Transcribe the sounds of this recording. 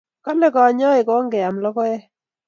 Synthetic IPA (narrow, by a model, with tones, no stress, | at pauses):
kɔ˦lɛ˦kɔ˨ɲɔ˦ɪ˨kɔ˨˦ŋɡɛ˨a˨mlɔ˦kɔ˦ɛ˦